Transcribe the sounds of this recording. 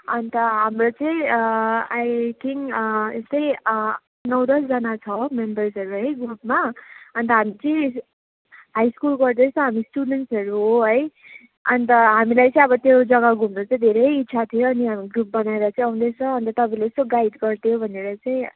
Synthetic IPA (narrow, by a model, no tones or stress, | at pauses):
ʌnt̪ʌɦamrot͡sʌĩ | ajʈiŋest̪ʌj̃ | nʌwd̪ʌsd͡zʌnat͡sʰʌmembʌrsʌɾuɦʌjɡrupmaʌnt̪ʌɦamit͡sʌĩ | ɦajskulɡʌrd̪esʰʌɦamisʈuɖenʈsɦʌɾuɦoɦʌj | ʌnt̪ʌɦamilajt͡sʌ̃ĩʌbʌt̪ed͡zʌɡaɡʱumnot͡saĩd̪ʱeɾʌjitːsʰat̪ʰijoʌniɦamiɡɾup̚bʌnaeɾʌt͡saĩʌwnd̪et͡sʰʌːnt̪ʌt̪ʌpaĩlasoɡaid̪ɡʌrt̪ʰijobʱʌneɾʌt͡saĩ